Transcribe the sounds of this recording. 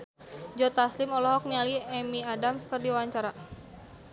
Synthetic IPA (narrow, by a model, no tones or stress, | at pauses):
d͡ʒɔt̪aslɪmɔlɔɦɔk̚nialiɛmiadamskərdiwawaɲt͡ʃaɾa